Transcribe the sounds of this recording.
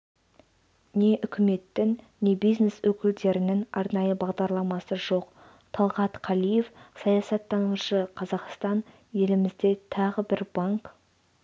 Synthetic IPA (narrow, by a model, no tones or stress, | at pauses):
ne̞ʔʏkʲɪme̞t̪ːɪŋ | ne̞bijzne̞swɵkʲɪld̪e̞ɾɪnɪŋɑɾnɑjəbɑʁd̪ɑɾlˠɑmɑsəʒo̞q | t̪ʰɑlˠʁɑt̪qʰɑlˠije̞fsɑjɑsɑt̪ʰːɑnuʃəqʰɑzɑqst̪ɑn | je̞lɪmɪzd̪e̞t̪ʰɑʁəbɪɾbɑŋk